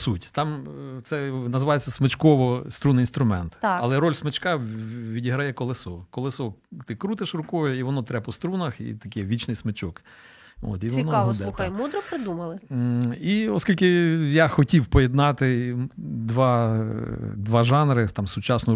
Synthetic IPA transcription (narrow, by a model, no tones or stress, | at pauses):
sutʲt̪ɑmt̪sɛnɐzɪʋɑjet͡sʲːɐsmet͡ʃkɔʋɔst̪ɾunɪjinst̪ɾʊmɛnt̪ɐlˠɛɾɔlʲsmet͡ʃkɑʋʲidʲiɦɾɐjɛkɔlˠɪsɔkɔlˠɪsɔt̪ɪkɾut̪ɪʃrʊkɔjʊiʋɔnɔt̪ɾɛpɔst̪ɾunɐxḭt̪ɐkeʋʲit͡ʃnɪjsmet͡ʃɔk | o̰t̪iʋɔnɔɔd̪ɛuxjmud̪ɾɔpɾɪd̪umɐlˠɪiɔsʲkʲilʲkɪjaxɔtʲiwpɔjed̪nɑt̪ɪ | d̪ʋɑ | d̪ʋɑʒɑnɾɪt̪ɑmsʊt͡ʃɑsnʊ